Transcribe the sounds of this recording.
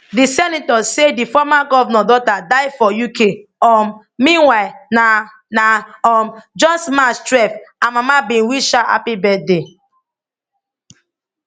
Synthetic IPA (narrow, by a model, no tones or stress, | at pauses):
disɛnitɔsedifɔmaɡɔvnɔdɔtadaɪfɔjukeɔm | mĩnwaɪlna | naɔmd͡ʒɔ̃nsmastɹɛfãnmamabĩnwiʃaa̰pibɛde